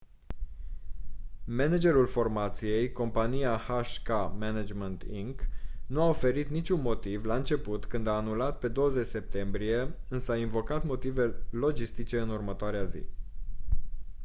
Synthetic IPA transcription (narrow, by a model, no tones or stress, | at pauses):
mened͡ʒe̞ɾulfo̞rmat̪sije̞jko̞mpanijahaʃkamened͡ʒment̪iŋknuaofe̞ɾit̪nit͡ʃʲunmo̞t̪ivlaɨnt͡ʃe̞put̪kɨnd̪aːnulat̪̚pe̞d̪o̞wəze̞t͡ʃʲse̞p̚t̪e̞mbɾije̞ɨnsəainvo̞kat̪mo̞t̪ive̞lo̞d͡ʒist̪it͡ʃe̞ɨnurmət̪oaɾeazḭ